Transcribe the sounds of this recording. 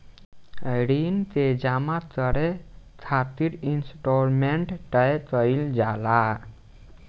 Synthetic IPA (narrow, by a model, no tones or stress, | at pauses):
ɾint̪ed͡ʒamat͡səɽet͡sʰat̪iɾinsʈɔɾmeɳʈʈəet͡səild͡ʒala